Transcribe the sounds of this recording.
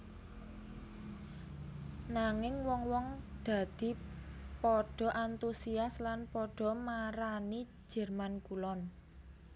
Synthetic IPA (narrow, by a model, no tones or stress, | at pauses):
naŋɪŋwɔŋwɔŋd̪̥a̤d̪̥i̤pɔɖ̥ɔ̤ʔant̪usiaslanpɔɖ̥ɔ̤maɾani̥ | d͡ʒ̥ɛ̤rmankulɔn